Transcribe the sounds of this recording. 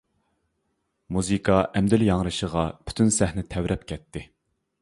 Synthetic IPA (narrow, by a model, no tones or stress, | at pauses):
muzɨkʰɑʔɛmd̪yljɑŋɾɨʃəʁɑpʰy̥t̪ʰynsæhnɪt̪ʰɛwɾʔɛpkʲʰɛt̪ʰːɪ